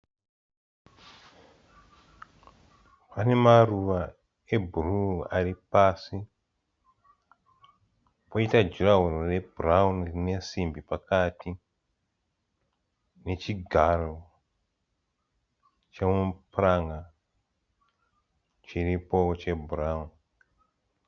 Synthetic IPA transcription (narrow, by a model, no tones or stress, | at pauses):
pane̞maruʋa | e̞bʱuruaripasi | poitad͡ʒuraɦurore̞buraunrine̞simbipakati | ne̞t͡ʃiɡʱaro̞ | t͡ʃemupuraŋɡa | t͡ʃiripo̞t͡ʃe̞buraun